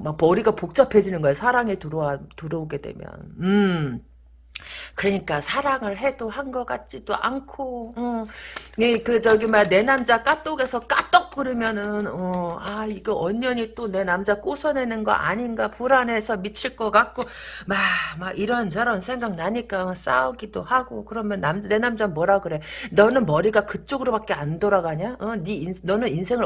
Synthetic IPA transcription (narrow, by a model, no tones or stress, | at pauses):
mak̚pʌɾiɡapok̚t͡ɕ͈ʌpʰe̞d͡ʑinɯnɡʌjesʰaɾaŋetuɾʌatuɾʌoɡe̞dwe̞̰mjʌ̰nɯ | kɯɾʌɲik͈asʰaɾaŋɯɭɦe̞dohanɡʌk͈at̚t͡ɕ͈id̥o̰ʔa̰nkʰoʌ | ekɯt͡ɕʌɡimane̞namd͡ʑak͈at͈oɡe̞sʰʌk͈at͈ʌk̚k͈ɯɾɯmjʌnɯnʌaiɡeʔʌɲːʌɲit͈one̞namd͡ʑak͈osʰʌne̞nɯnɡʌ̰ʔa̰ɲinɡapuɾane̞sʰʌmit͡ɕʰiɭk͈ʌkak̚k͈o | mamaɡiɾʌnt͡ɕʰaɾʌnsʰe̞ŋɡak̚naɲik͈aɯs͈aoɡidohaɡokɯɾʌmjʌnːamne̞namd͡ʑanmwʌɾaɡɯɾe̞nʌnɯnmʌɾiɡakɯt͡ɕ͈oɡɯɾobak͈e̞andʌɾaɡaɲaʌninnʌnɯninsʰe̞ŋɯɭ